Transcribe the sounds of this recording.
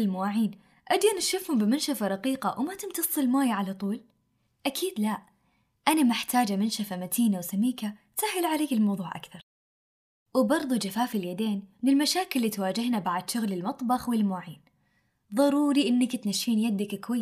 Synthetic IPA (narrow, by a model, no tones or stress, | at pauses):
ɪlmwaːʕiːn | ʔad̪janʃʊfhʊmbɪmɪnʃafaɾˤɑqiːqa̰wmat̪ɪmt̪ɑsˤːɪlmaːjaʕalat̪ˤuːl | ʔakʰiːd̪laʔ | ʔanamɪħt̪aːd͡ʒamɪnʃafamat̪ʰiːnawsamːiːka | sahɪlʕaleːkɪlmɑwðˤuːʕʔa̰kθɑɾˤ | wbɑɾˤðˤud͡ʒafaːfɪljad̪eːnmɪnɪlmaʃaːkɪlːiːt̪waːd͡ʒɪhnabaʕad̪ʃʊɣlɪlmɑt̪ˤbɑxwɪlmwaːʕiːn | ðˤɑɾuːɾiʔɪnːakt̪naʃːiːnjad̪akkwajː